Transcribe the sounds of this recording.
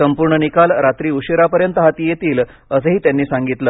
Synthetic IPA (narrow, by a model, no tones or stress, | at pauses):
əmpuɾɳənikalɾat̪ɾiːuɕeɾapəɾjənt̪əɦat̪iːjet̪iːl | əsəɦiːt̪janːiːsaŋɡit̪ləː